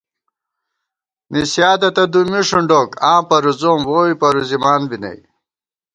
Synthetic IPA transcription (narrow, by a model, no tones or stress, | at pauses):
nisjaːd̪ɐt̪ɐd̪umiʂuɳɖokãːpɐɾuzoːmwoːipɐɾuzimaːnbinɐ̰j